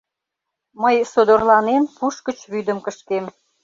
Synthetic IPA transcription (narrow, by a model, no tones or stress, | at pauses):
məjsod̪orlɑnenpuʃkət͡ɕβyd̪əmkəʃkem